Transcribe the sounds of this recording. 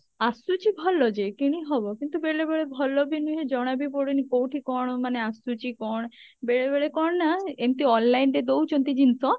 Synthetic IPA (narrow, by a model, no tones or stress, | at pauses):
asut͡ɕibʱɔlːɔd͡ʑekiɽ̃iɦɔbɔkint̪ubelebeɭebʱɔlːɔbinuɦed͡ʒɔɽ̃abipoɽinikowʈʰikɔɽ̃maneasut͡ɕikɔɽ̃ | beɭebeɭekɔɳ̃naemt̪iɔnlajnɖed̪owt͡ʃont̪id͡ʑinsɔ